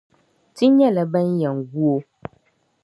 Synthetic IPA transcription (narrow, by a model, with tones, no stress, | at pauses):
ti˦ɲɛ̃˦˨lɛ˨bɛ˦n˦jɛ˨ŋɡu˦o˦